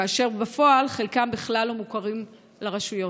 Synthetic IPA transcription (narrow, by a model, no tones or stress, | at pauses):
aːʃe̞ʁbafo̞alχelkambiχlalomukaʁim | leʁaʃujo̞